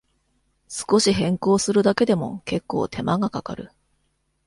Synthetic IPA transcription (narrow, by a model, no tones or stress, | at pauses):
sɨ̥ko̞ɕiɦẽ̞ŋko̞ːsɨɾɯ̟d̪ake̞d̪e̞mo̞̰ke̞kːo̞̰ːt̪ʰe̞maɡakaka̰ɾɯ̟̰